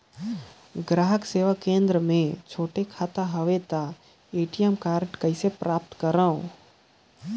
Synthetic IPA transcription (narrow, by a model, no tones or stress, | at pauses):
ɡɾaːɦəkseːʋakẽnd̪ɾəmẽt͡ʃʰoːʈekʰaːt̪aɦəʋet̪a | eːʈijemkaːɾʈkəɪsepɾaːp̚t̪kəɾãõ